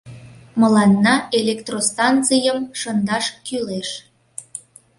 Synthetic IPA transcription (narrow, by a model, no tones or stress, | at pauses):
məlɑnːɑelekt̪rost̪ɑnt͡sɨjəmʃənd̪ɑʃkyleʃ